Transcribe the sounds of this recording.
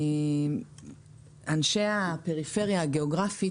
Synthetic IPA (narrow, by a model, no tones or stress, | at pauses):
anʃeapeʁifeʁjaːɡeoɡʁafi